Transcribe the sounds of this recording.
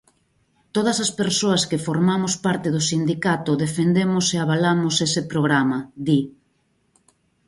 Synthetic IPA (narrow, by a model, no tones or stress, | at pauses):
t̪oð̞ɐsɐspeɾsoɐskefoɾmamʊspaɾt̪ɪðʊsind̪ikat̪ʊðefend̪emʊseaβalamʊsesɪpɾoɣɾamɐði